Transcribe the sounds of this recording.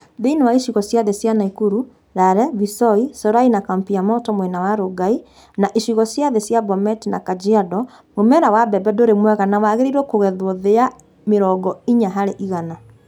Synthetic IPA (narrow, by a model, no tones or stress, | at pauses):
ðeinewaiʃiɣɔsjaðesjanaikuɾu | ɾaɾɛβisɔisɔɾainakampiamɔtɔmwɛnawaɾoɡai | naʔiʃiɣɔsjaðesjabɔmɛtinakad͡ʒiadɔ | momɛɾawabɛbɛdoɾemwɛɣanawaɣeɾiɾwɔkoɣɛðwɔðea | meɾɔɡɔiɲaɦaɾeʔiɣana